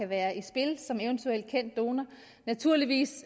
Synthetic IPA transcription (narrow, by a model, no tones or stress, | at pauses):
æʋæːɐʔisb̥e̝lsɒ̽meənt͡sʰuel̰d̥̚kʰen̰d̥ːo̝ːnɐ | næt͡sʰuɐ̰liʋḭːs